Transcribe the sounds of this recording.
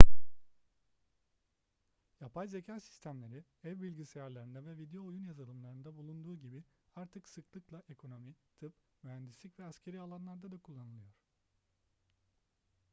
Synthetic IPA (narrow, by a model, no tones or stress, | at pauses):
japʰajze̞cʰaːsi̥st̪ʰæmlʲe̞ɾiɛvbilʲɟisejaɾlʲˠaɾind̪ɛvɛvid̪ejo̞ːjunjazalˠɯmlˠaɾɯnd̪abulˠund̪uːɟibiaɾt̪ʰɯksɯklˠɯklˠaʔe̞kʰo̞no̞mit̪ʰɯp | myɦænd̪islʲicvɛascʰe̞ɾialˠanlˠaɾd̪ad̪akʰulˠːanɯlˠɯjo̞ɾ̥